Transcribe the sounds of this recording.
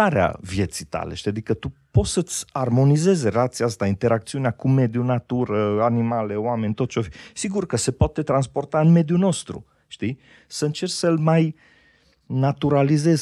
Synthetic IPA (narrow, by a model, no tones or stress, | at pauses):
aɾea̰vje̞t̪sit̪a̰leʃt̪iad̪ikət̪upo̞sət̪sʲarmo̞nize̞zeɾeat̪siast̪aint̪e̞ɾak̚t̪siuneakume̞d̪junat̪uɾəanimale̞oame̞nʲt̪ot̪t͡ʃeofsiɡurkəse̞poat̪e̞t̪ɾanspo̞rt̪aɨnme̞d̪juno̞st̪ɾṵ | ʃt̪i | səɨnt͡ʃe̞rsəlmaj | nat̪uɾalize̞z